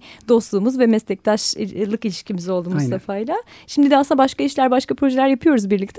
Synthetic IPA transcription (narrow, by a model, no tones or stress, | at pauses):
d̪o̞st̪lˠuːmuzvɛmɛst̪ɛc̚t̪ʰaʃlˠɯkilʲiʃcimizo̞lˠd̪uːmuzsafajlˠaʃimd̪id̪ɛasɯnd̪abaʃkaiʃlʲæɾbaʃkapʰɾo̞ʒɛlʲæɾjapʰɯjo̞ɾuzbiɾlʲic̚t̪ʰ